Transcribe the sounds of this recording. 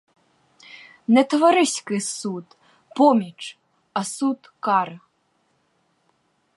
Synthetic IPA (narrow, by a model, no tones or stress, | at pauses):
nɛt̪vaɾɨsʲkɨsut̪ | pɔmʲit͡ʂ | ɐsut̪kaɾɨ